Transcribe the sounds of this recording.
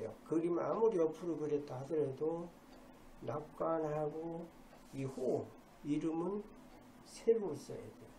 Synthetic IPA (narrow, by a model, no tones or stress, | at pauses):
jo̰kɯɾima̰muɾiʌpʰɯɾokɯɾe̞t͈̚ːaɦadɯɾedo | nap̚k͈anhaɡo | ihu | iɾɯmɯn | sʰeɾois͈ʌ̰jḛd̪ejo